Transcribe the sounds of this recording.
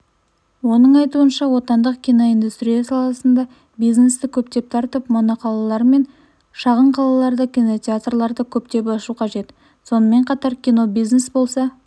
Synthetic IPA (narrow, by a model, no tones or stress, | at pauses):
wo̞nəɴɑjt̪uənʃɑwo̞t̪ɑnd̪əqkʲijno̞ijnd̪ust̪ɾijɑsɑlˠɑsənd̪ɑ | bijzne̞st̪ɪkʲʰɵp̚t̪e̞p̚t̪ʰɑɾt̪əpmonɑqʰɑlˠɑlˠɑɾme̞n | ʃɑʁəɴqʰɑlˠɑlˠɑɾd̪əkʲijno̞t̪ʲeat̪rlˠɑɾd̪əkʲʰɵp̚t̪e̞pɑʃuqʰɑʒe̞t̪ | so̞nəme̞ɴqʰɑt̪ɑɾkʲino̞biznesbo̞lˠsɑ